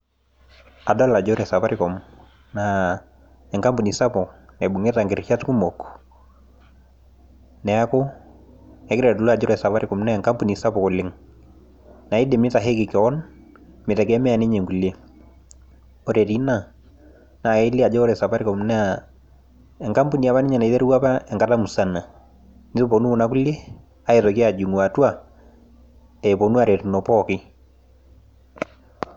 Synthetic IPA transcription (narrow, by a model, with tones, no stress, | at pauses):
a˨da˦la˨d͡ʒɔ˦ɾɛ˨sa˨pa˦ɾi˦kɔ˨m | na˦ | ɛ˨ŋka˦mpu˨ni˨sa˦pɔ˨nɛ˨bu˨ŋɛ˦ta˨ŋɡɪ˨ɾʃa˦tku˦mɔ˨k | nɛ˨a˦kʊ˦ | ɛ˨˦kɾɛ˨du˨lu˦a˨d͡ʒɔ˦ɾɛ˨sa˨pa˦ɾi˦kɔ˨mnɛ˦˨ŋka˦mpu˨ni˨sa˦pɔ˨ko˨lɪ˦ŋ | na˨i˦de˨mɪ˦ta˨ɦe˦kɪ˨kɛ˨ɔ˦n | mɪ˨ta˨kɛ˦mɛ˦a˨ni˦ɲe˨ŋɡu˨le˦ | o˦ɾe˨ɾi˦na˦˨ | na˨e˦li˦a˨d͡ʒɔ˦ɾɛ˨sa˨pa˦ɾɪ˦kɔ˨m˦na˦˨ | ɛ˨ŋka˦mpu˦ni˨a˨βa˦nɪ˦ɲa˨na˨i˨te˦ɾu˦wa˦pa˦ɛ˨ŋka˦ta˦mu˨sa˦na˨ | nɪ˦to˦po˨nu˦ʊ˨na˦k̬u˦le˦ | a˦e˨tɔ˨ki˦a˨d͡ʒu˨ŋwa˨twa˨ | ɛ˨po˨nu˦a˨ɾe˨tu˨no˨pɔ˦kɪ˦